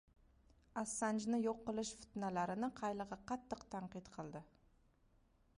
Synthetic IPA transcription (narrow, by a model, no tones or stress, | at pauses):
ɑsːɑnʒnəjoqːəlˠəʃfɪ̥t̪nɑlˠɑɾənəqʰɑjlˠəʁɑqʰɑt̪ːəqt̪ʰɑɴqijt̪qʰəlˠd̪ə